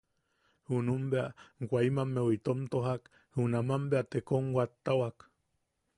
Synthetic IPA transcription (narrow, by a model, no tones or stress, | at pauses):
hunumbeaɡʷaimamːewit̪omt̪oɦak | hunamambeat̪ekoŋwʷat̪ːawak